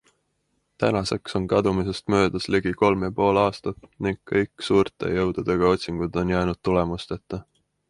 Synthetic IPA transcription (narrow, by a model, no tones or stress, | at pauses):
t̪ænɑse̞kso̞nkɑd̪̥umise̞st̪mø̞ːd̪̥ɑsleɡ̥iko̞lmjɑpo̞ːlɑːst̪ɑt̪niŋɡːɤjkːˑsuːrt̪ˑe̞̰jɤwd̪̥ud̪̥e̞ɡ̥ɑo̞t̪ʲsiŋɡ̥ud̪o̞njæːnud̪̥̚t̪ule̞must̪e̞t̪ːˑɑ